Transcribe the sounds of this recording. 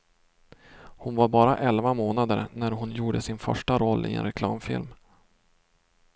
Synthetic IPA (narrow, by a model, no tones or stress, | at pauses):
hʊnvaɾbɑːɾaʔɛlvamoːnad̪əɾnæɾɦʊnjuːɖəsɪnfœ̰ʂʈaɾɔlːʔɪ̰ɛ̰nɾɛkʰlɑ̰ːmfɪ̰lm